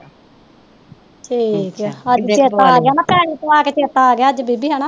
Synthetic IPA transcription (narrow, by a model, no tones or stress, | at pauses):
ʈʰiːkɛəd͡ʒt͡ʃt͡ʃeːt̪aːɡejaːnaːpɛːɽ̃iːt̪oaːkeːt͡ʃeːt̪aːɡjaːəd͡ʒbiːbiːɦɛnaː